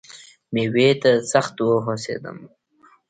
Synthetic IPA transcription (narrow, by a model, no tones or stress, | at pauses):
mewet̪asaxt̪woɦosḛd̪ə̰m